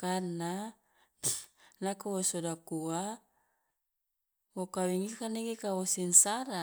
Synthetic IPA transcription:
karna | nakuwosodakua | wokawiŋikaneɡekawosinsaɾa

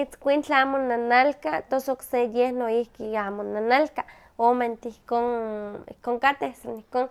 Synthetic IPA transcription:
it͡skʷint͡ɬaaːmonanalkat̪osoksejehnoihkiaːmonanalka | oment̪ihkonḭkoŋkat̪ehsanihkoːn

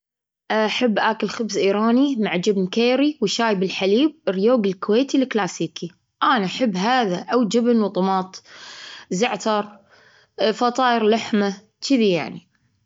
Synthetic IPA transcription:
ʔaħabːʔaːkɪlxʊbzʔiːɾɑːnimaʕd͡ʒɪbnkeːɾiwʃaːjbɪlħaliːb̚ɾjoːɡɪlkʊweːt̪ilɪklaːsiːki | ʔaːnaaħɪbːɦaːðaʔawd͡ʒɪbnwt̪ˤʊmɑːt̪ˤ | zaʕt̪ɑɾˤ | fɑt̪ˤɑːjɪɾlaħma | t͡ʃɪðija̰ʕni

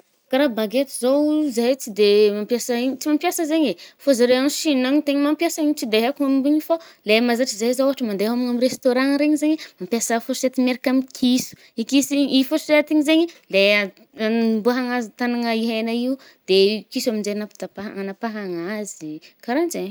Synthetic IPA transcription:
kaɾabaɡet̪izowzajt͡sid̪emampjasaiɲt͡simampjasəzeɲefozaɾeanʃinaŋt̪eɲimampjasaiɲt͡sid̪eɦakumambuɲifolemazaʈ͡ʂizazaɦaʈ͡ʂəmand̪eamiŋamirest̪oɾãŋɾeɲizeɲimampjasafoset̪imeɾikamikʰisu̥ | ikisiifoseat̪iɲizeɲile | mbuaɦaŋazit̪anaŋəiɦenaiu | d̪̥ekisuaminzeanapi̥t̪apaanapaɦaŋazikaɾand͡ʒeɲ

